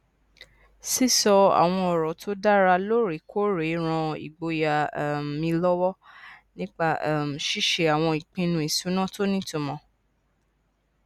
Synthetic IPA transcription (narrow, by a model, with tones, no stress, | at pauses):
si˦sɔ˧a̰˨w̃ɔ̃˧ɔ˨ɾɔ˨tʰo˦da˦ɾa˧lo˦ɾi˨˦kʰo˦ɾe˨˦ɾ̃ã˧ḭ˨ɡ͡bo˧ja˨m˨ĩ˧lɔ˦wɔ˦nĩ˦k͡pa˦˧˨m̩˨ʃi˦ʃe˧a˨w̃ɔ̃˧i˨k͡pĩ˧nũ˧˨i˨sũ˨˦nã˦to˦nĩ˦to˧mɔ̃˧